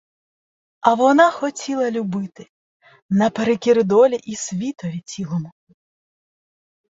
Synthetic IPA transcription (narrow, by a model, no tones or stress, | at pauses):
ɐʋɔnaxɔtʲilˠɐlʲubɪt̪ɪ | nɐpeɾekʲiɾɪd̪ɔlʲiʔisʲʋʲit̪ɔʋʲit͡sʲilˠɔmʊ